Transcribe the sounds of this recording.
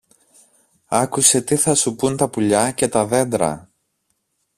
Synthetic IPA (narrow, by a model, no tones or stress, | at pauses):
ɐkuse̞t̪iθɐsupunt̪ɐpuʎɐce̞t̪ɐðe̞nd̪ɾɐ̰